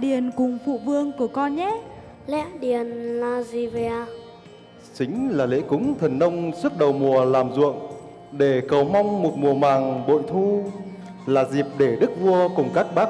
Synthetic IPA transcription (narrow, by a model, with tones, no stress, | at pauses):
ɗi˨˩ənkʊ˨˩ŋ͡mfṵ˧˨vɨ˧əŋku˧˩əkɔ˧nɲɛ˦˥ | lɛ̰˧˥ɗi˨˩ənlaː˧zi˧˩vi˧a˧ | t͡ɕï˨˦ŋ̟laː˨˩lḛ˧˥kʊ˨˦ŋ͡mt̪ʰə˨˩nːə˧wŋ͡msɨ˦˥t̚ɗə˨˩wmu˨˩əlaː˨˩mzṵ˧˨əŋ | ɗe˧˩kə˨˩wma˧wŋ͡mmu˨˩t̚mu˨˩əmaː˨˩ŋɓo̰˧˨nt̪ʰu˧ | laː˨˩zi˨˩p̚ɗe˧˩ɗɨ˦˥k̚vu˧əkʊ˨˩ŋ͡mkaː˦˥k̚ɓaː˦˥